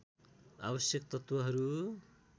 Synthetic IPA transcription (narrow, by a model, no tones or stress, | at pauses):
a̰bʌsjekt̪ʌt̪wʌɦʌɾu